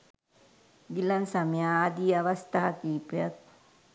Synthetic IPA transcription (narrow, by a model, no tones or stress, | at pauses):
d̪ilansamjaːd̪iaβast̪at̪ipeat̪̚